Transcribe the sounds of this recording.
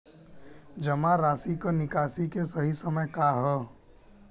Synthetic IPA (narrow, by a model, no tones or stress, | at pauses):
d͡ʒɐmãɾaːsikonɪkaːsikesɐɦisəməjkaɦɛː